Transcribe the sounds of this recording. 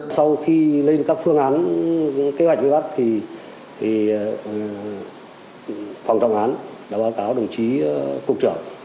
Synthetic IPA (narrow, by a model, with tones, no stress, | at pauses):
sa˧wxi˧le˧nkaː˦˥k̚fɨ˧əŋʔaː˨˦n | ke˨˦hwk̟̚vəː˨˧˦ɓa˦˥k̚t̪ʰi˨˩ | t̪ʰi˨˩ | fa˨˩wŋ͡mt͡ɕɔ̰˧˨wʔaː˨˦nɗaː˧˥ɓaː˨˦wkaː˨˦wɗə˨˩wŋ͡mt͡ɕi˨˦ku˨˩ək̚t͡ɕɨ̰˧˩əŋ